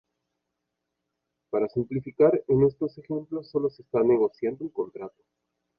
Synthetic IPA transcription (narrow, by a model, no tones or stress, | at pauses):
paɾasimplifikaɾene̞st̪o̞se̞xe̞mplo̞sːo̞lo̞sest̪ane̞ɣo̞sjand̪oelko̞nt̪ɾat̪o̞̥